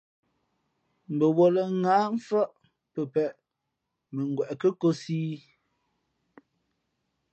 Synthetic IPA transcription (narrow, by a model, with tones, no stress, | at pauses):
m̩˨bə˨wo˨lə˨ŋaː˨˦ɱ˦fə˦ʔ | pə˨pɛ˨ʔ | mə˨ŋ˨ɡwɛ˨ʔkə˦ko˦siː˦